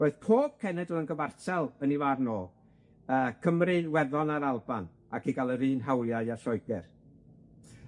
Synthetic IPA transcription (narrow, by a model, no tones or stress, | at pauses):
boɨðpʰoːb̥̚kʰɛnɛdəənɡəvartʰɛlˠənivaːrnoː | əːkʰəmrɨwɛðɔnaɾalˠba̰n | akiɡalˠəɾɨːnɦawljaɨaɬɔjɡɛr